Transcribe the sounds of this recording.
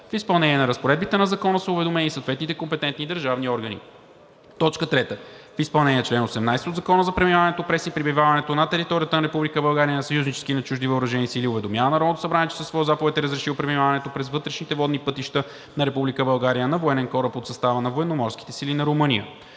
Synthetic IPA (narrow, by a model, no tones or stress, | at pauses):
fispɐlˠnɛnʲiɛnɐɾəspoɾɛd̪̚bit̪ɛnɐzɐkɔnəsəʊvɛd̪omɛnisowt̪vɛt̪nit̪ɛkompɛt̪ɛnt̪nid̪əɾʒavniɔɾɡənḭ | t̪ɔt͡ʃkət̪ɾɛt̪əfispɐlˠnɛnʲiːɛt͡ʃlɛnosɛmnajsɛt̪od̪zɐkɔnəzɐpɾɛmimavɐnɛt̪opɾɛsipɾibivavɐnɛt̪onɐt̪ɛɾit̪ɔɾʲijət̪ənɐɾɛpublikəbɐlˠɡaɾiənɐsɐjuznit͡ʃɛ̥sk̟inɐt͡ʃuʒd̪ivəːɾɐʒɛnisiliʊvɛd̪omʲjavənɐɾɔt̪osɐbɾaniɛt͡ʃɛsəsvɔjozapovɛt̪ɛɾəzɾɛʃiwˠpɾɛmimavɐnɛt̪opɾɛzvɤt̪ɾɛʃnit̪ɛvɔd̪nipɤt̪iʃt̪ə | nɐɾɛpublikəbɐlˠɡaɾijənɐvoɛnɛnkɔɾəpot̪sɐst̪avənɐvoɛnomɔɾsk̟i̥t̪ɛsilinɐɾomɤnijə̰